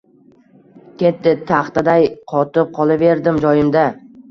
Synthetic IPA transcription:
kʲʰet̪ːɪt̪ʰaχt̪ad̪ajqʰɒt̪ɪp̚qʰɒlˠave̞ɾd̪ɪmd͡ʒɒjɪmd̪a

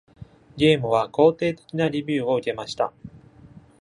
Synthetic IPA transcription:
ɡʲe̞ːmɯ̟β̞ako̞ːt̪e̞ːt̪e̞̥kʲinaɾʲibʲɨːo̞ɯ̟ke̞maɕi̥t̪a̰

